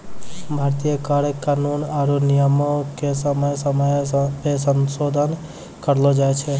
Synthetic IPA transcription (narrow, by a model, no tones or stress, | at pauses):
bʱaːɾt̪ijəkaɾkaːnunaɾunijəmokesəməjsəməjpesənsod̪ʱən | kəɾlod͡ʒaet͡ʃʰɛ